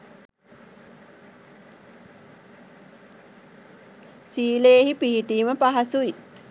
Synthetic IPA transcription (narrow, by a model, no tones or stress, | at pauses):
siːleːɦipiɦiʈiːməpaɦasui